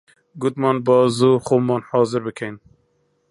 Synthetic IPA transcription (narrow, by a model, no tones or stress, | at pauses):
ɡʊt̪mɑːnbɑːzuːxoːmːɑːnhɑːzɨɾbɨkʰejn